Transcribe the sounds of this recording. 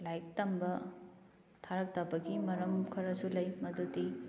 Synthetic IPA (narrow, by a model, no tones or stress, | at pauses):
lajk̚tɐmbɐ | tʰaɾɐk̚tapɐɡimɐɾɐmkʰɐɾɐsulɐjmɐduti